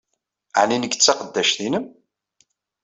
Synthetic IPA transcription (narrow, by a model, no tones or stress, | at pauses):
əʕninəɡt͡sːɑqəd̪ːæʃθinəm